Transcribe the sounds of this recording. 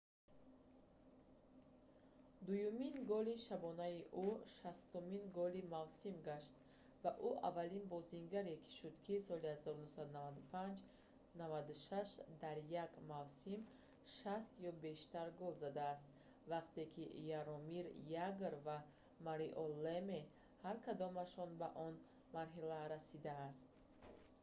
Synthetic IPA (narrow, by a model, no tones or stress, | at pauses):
d̪ujuminɡɔliʃabɔnaiʔuʃast̪uminɡɔlimavsimɡaʃt̪ | vaʔuʔa̰valinbɔziŋɡaɾekʰi̥ʃud̪kʰisɔlihazɔɾunusad̪unavad̪upʰand͡ʒ | navad̪uʃaʃd̪aɾjaɡmavsim | ʃast̪jɔbe̞ʃt̪aɾɡɔlzad̪aːst̪ | vaqt̪ekʰijaɾɔmiɾjaɡɾva | maɾiʔɔleme | haɾkʰad̪ɔmaʃɔnbaʔɔn | maɾɦilaɾasid̪aːst̪